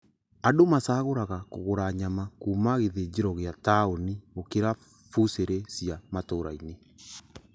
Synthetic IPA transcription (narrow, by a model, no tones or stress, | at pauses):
adomasaːɣoɾaɣako̰ɣoɾaɲamakuːmaɣeðed͡ʑeɾɔɣeataoniokeɾa | fuseɾesiamatoːɾa̰ine